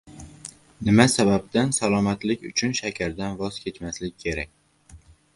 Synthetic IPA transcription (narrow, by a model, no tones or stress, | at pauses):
nɪmasabab̚d̪ansalˠɒmat̪lɪkʲʊ̰t͡ʃʰʊnʃakʲʰaɾd̪anvɒz̥kʲʰe̞t͡ʃmaslɪkʲʰːe̞ɾakʲ